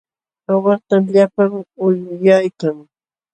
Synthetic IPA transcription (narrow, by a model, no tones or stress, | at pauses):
awat̪amʎapaŋʊjʊjajkaŋ